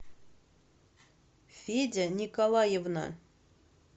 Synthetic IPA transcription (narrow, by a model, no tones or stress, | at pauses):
fʲedʲɘnʲikolˠɑjəvnɑ̰